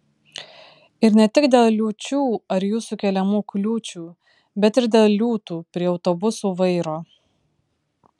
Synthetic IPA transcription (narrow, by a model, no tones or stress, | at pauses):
ɪɾnʲɛt̪ʲɪkd̪ʲeːlˠlʲuːt͡ʃʲuːɐɾjuːsuːkʲɛlʲɛmuːklʲuːt͡ʃʲuː | bʲɛt̪ɪɾd̪ʲeːlˠlʲuːt̪uːpʲɾʲiɛɒʊt̪obʊsuːʋɐɪɾoː